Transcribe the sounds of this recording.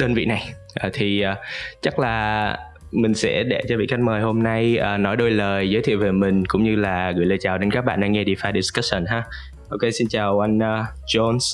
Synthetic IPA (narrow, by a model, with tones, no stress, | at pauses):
ɗəː˧nvḭ˧˨na˨˩j | ʔaː˨˩t̪ʰi˨˩ʔəː˨˩t͡ɕa˦˥k̚laː˨˩ | mï˨˩ŋ̟sɛ̰˧˥ɗe˧˩t͡ɕɔ˧vḭ˧˨ka˧jŋ̟̚məː˨˩jɦo˧mna˧jʔəː˨˩nɔ˨˦jɗo˧jləː˨˩jzəː˨˦jt̪ʰḭ˧˨wve˨˩mï˨˩ŋ̟kʊ̰˧˥ŋ͡mɲɨ˧laː˨˩ɣɨ̰˧˩˨jləː˨˩jt͡ɕaː˨˩wɗe˨˦nkaː˦˥k̚ɓa̰ː˧˨ɗaː˧ŋɛ˧ɗi˧˩faː˧ɗi˧skə˦˥sə˨˩nɦaː˧˦ | ʔo˧ke˧si˧nt͡ɕaː˨˩wʔa˧jŋ̟ʔː | t͡ɕo˧ns